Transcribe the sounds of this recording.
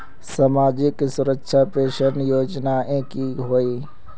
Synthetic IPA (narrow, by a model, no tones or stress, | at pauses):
saːmaːd͡ʒɪksʊɾəkʃʰapeːʃənjoːd͡ʒnaẽkiɦoːiː